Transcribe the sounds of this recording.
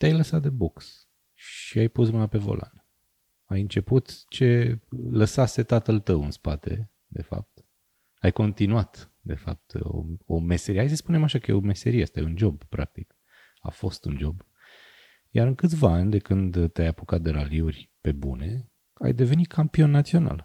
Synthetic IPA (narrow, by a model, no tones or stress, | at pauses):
t̪eajləsat̪̚d̪e̞boks | ʃiajpusmɨnape̞vo̞̰lʔa̰n | ajɨnt͡ʃe̞put̪t͡ʃe̞ləsase̞t̪at̪əlt̪əwɨnspat̪e̞̰ | d̪e̞̰fa̰p̚t̪ | ajko̞nt̪inuat̪ | d̪e̞fap̚t̪o̰ome̞seɾihajs̬əspune̞maʃakəjeome̞se̞ɾiea̰st̪a̰jeund͡ʒo̞bpɾak̚t̪ik | a̰fo̞st̪und͡ʒo̞b | jaɾɨŋkɨt̪sʲvaanʲd̪e̞kɨnd̪t̪eajapokat̪̚d̪eɾaliurʲpe̞bṵne̞ | a̰jd̪e̞ve̞nit̪̚kʰampio̞nːat̪sio̞na̰l